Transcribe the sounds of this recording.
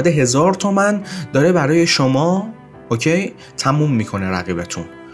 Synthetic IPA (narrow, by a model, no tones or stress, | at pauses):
d̪eɦe̞zɒːɾt̪ʰomænd̪ɒːɾe̞bæɾɒːje̞ʃomɒː | ocʰe̞j | t̪ʰæmuːmːiːkʰo̞neɾæ̰ɣiːbet̪ʰṵn